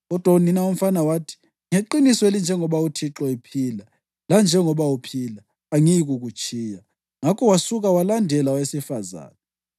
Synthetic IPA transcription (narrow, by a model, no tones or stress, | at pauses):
ɣɔd̥ʱwauninaum̩fanawaːtʰi̥ | ŋeǃinisɔelind͡ʒʱɛŋɔβautʰiǁɔipʰiːla | land͡ʒʱɛŋɔβawupʰiːlaː | ŋiɣuɣut͡ʃʼiːja | ŋakʰɔwasuɣawalandʱɛlawesifaza̰ːna